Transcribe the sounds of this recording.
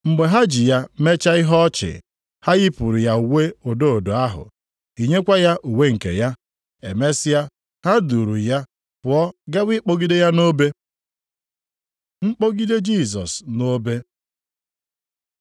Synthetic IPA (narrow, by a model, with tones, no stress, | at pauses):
ŋ͡m̩˨ɡ͡be˨ɦa˦d͡ʒɪ˨ja˦me˦t͡ʃa˦ɪ˦ɦɔ˦t͡ʃɪ̰˨ | ha˦ɣɪ˦pʊ˨ɾi˨ja˨u˨we˦o˨do˦o˨do˨a˦ɦʊ̰˨ | i˨ɲe˦kʷa˦ja˦ʔu˨we˦ŋ̩˨kḛ˨ja˦ | e˨me˦sɪ˦ja˦ | ha˦du˨ɾu˨ja˦ | pʊ˨ɔ˦ɡa˦wi˦k͡po˦ɡi˦de˦ja˦no˦be˦ | ŋ͡m̩˦k͡po˦ɡi˦de˦d͡ʒi˦˨sɔ̰˨sno˦be˦